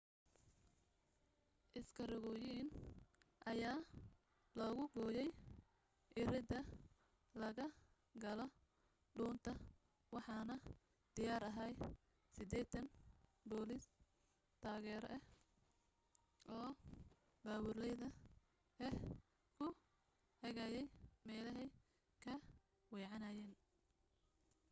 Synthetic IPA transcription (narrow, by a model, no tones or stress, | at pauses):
ʔɪskʰɐɾɪɣɔːjiːnʔɐjaː | lɔːɣʊɡɔːjɛj | ʔɪɾɪd̪ɐ | lɐɣɐ | ɡɐlɔ | ɖuːnt̪ʰɐ | wɑħɑːnɐ | d̪̥ɪjaːɾɐɦɛj | sɪd̪ɛːt̪ʰɐnbɔːlɪs | t̪ʰaːɣɛːɾɔ̰ʔɛh | ʔɔː | baːwʊrlɛjðɐ | ɛh | kʰʊ | hɐɣɐjɛjmɛːlɐɦɛj | kʰɐ | wɛːʕɑnaːjɛːn